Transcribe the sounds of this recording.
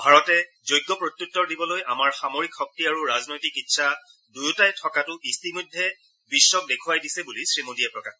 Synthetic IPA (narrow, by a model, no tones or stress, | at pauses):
bʱaɹɔtɛ | zojɡːɔpɹot̪jutːɔɹdibɔlojamaɹxamoɹikxɔk̚tiaɹuɹaznojtikitːsʰa | dujutajtʰɔkatʊistimodʱːɛ | bisːɔk̚dekʰuwajdisɛbulisɹimodijɛpɹɔka